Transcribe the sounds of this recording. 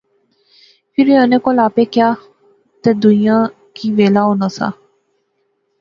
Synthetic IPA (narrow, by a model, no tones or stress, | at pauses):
pʰɪɾiənẽkolaːpekja | t̪ed̪ʊnijã | kiʋeːlaonasa̰